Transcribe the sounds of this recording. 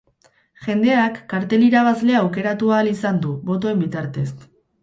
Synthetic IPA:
ʝe̞nd̪e̞akːaɾt̪e̞liɾaβ̞azle̞awke̞ɾat̪uaːlisand̪uβo̞t̪o̞e̞mbit̪aɾt̪e̞st̪

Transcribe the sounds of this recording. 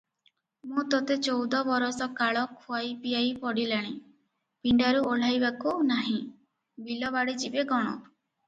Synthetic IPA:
mũt̪ɔt̪et͡ʃowd̪ɔbɔɾɔsɔkaɭɔkʰuajpijajpɔɽilaɽ̃i | piɳɖaɾuoɭ̤ajbakunaɦĩ | bilɔbaɽid͡ʒibeɡɔɽ̃ɔ̰

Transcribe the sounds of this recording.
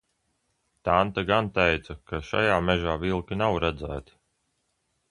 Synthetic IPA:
t̪ant̪aɡant̪ɛjt̪sakaʃa̰jaːmɛʒaːvilˠkʲinawɾæd̪zæːt̪i̥

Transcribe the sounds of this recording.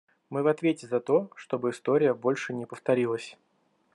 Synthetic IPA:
mɨvɐt̪vʲetʲɪzɐt̪o̞ʂt̪o̞bɨɪst̪o̞ɾʲɪjəbo̞lʲʂɨnʲɪpəft̪ɐɾʲilˠəsʲ

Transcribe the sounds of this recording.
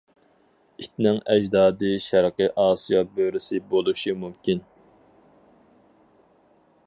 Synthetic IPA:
it̪̚nɪŋɛd͡ʒd̪ɑːd̪ɨʃæɾqɨʔɑːsijɑbøɾɪsɪbolˠuʃimumkʲʰin

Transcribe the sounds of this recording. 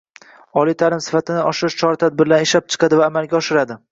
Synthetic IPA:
ɒlijt̪ʰalɪmsɪ̥fat̪ʰɪnɪʔɒʃɪɾɪʃt͡ʃʰɒɾat̪ʰad̪̚bɪɾlanɪʃlap̚t͡ʃʰɨ̥qʰɑd̪ɪvaːmalɡʲaɒʃɪɾad̪ɪ

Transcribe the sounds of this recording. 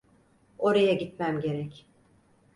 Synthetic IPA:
o̞ɾajaɟit̪mæmɟe̞ɾɛc

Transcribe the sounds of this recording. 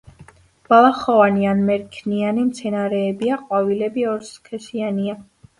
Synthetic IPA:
b̥alˠaχɔvanianmɛɾkʰnianimt̪sʰɛnaɾɛːbiaqʼwavilɛbiɔɾskʰɛsiania

